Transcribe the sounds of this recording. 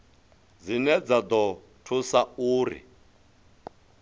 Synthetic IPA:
d͡zinɛd͡zad̪ɔ | tʰusauːrḭ

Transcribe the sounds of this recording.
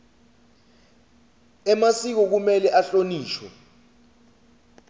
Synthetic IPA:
ɛmasik̬ɔk̬umɛlɛʔaɬoniːʃwɛ̰

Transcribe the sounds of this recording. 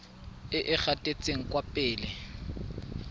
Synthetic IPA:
ɪʔɪk͡xatʼet͡sʼeŋ̩kʼwapʼɪːlɪ

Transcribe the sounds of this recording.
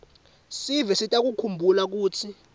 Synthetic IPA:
sivɛsitʼak̬ukʰumbʱulak̬uːtʰi

